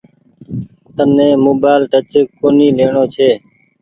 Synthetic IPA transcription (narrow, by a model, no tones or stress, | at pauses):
t̪ənːẽːmoːbaːɪlʈət͡ʃəkkːoːniːleːɳoːt͡ʃʰeː